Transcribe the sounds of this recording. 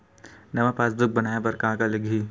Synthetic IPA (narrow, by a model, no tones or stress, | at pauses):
nɐʋapaːsd̪ʊk̚bɐnaːjabɐɾkaãkalɪɡʱiː